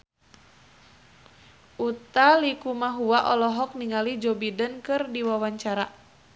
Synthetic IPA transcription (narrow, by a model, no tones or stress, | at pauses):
ʔut̪alikumaɦuwaʔɔlɔɦɔk̚niŋalid͡ʒɔbidənkɨrdiwawaɲt͡ʃaɾa